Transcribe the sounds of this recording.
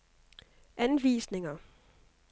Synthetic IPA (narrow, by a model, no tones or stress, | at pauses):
ʔænʋḭːsne̝ŋɐ